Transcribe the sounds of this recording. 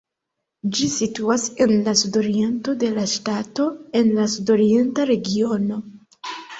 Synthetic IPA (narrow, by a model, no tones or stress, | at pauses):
d͡ʒisituase̞nlasudo̞ɾie̞nto̞de̞laʃtato̞e̞nlasudo̞ɾie̞ntaɾe̞ɡio̞no̞